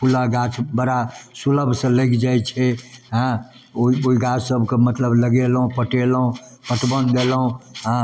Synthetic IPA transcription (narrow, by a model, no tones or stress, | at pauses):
pulaɡat͡ʃʰbəɾasuləbʱsə̃ləkd͡ʒajt͡ʃʰɛɦə̃ | oioiɡat͡ʃʰsəbʱkemət̪ləbləɡelɦũpəʈeləɦũ | pəʈbənd̪eləɦũɦə̃